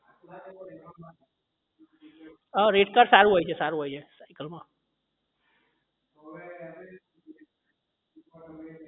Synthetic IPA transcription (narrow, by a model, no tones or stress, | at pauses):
əɾeʈkaɾsaɾuɦojt͡ʃʰɛsaɾuɦojt͡ʃʰɛsaɪkəlmã